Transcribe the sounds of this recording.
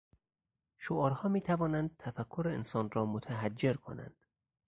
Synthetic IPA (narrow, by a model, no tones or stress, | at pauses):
ʃoɒːɾhɒːmiːt̪ʰævɒːnænd̪̚t̪ʰæfækʰːoɾeensɒːnrɒːmot̪ʰæɦæd͡ʒːeɾkʰo̞̰næ̰nd̪̥